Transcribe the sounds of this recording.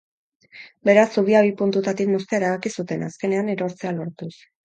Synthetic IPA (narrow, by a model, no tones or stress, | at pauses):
be̞ɾasːuβ̞iaβ̞ipunt̪ut̪at̪ikmust̪eaeɾaβakisut̪e̞naske̞ne̞aneɾo̞ɾt͡se̞alo̞ɾt̪us